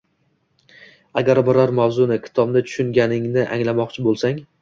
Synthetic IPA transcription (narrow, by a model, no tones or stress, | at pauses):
aɡʲaɾbɪɾɒɾmawzʊnɪkʲʰɪ̥t̪ʰɒbnɪt̪ʰʊ̥ʃʊŋɡʲanɪŋnɪʔa̰ŋlamɒqt͡ʃʰɪbolˠsaŋ